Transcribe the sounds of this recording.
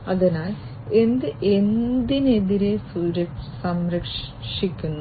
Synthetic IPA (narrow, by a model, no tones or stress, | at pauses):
ɐðɐnaːl | e̞nd̪ɨʔe̞nd̪ine̞ðiɾe̞suɾɐsɐmɾɐkʂ | ʂikʲːunːu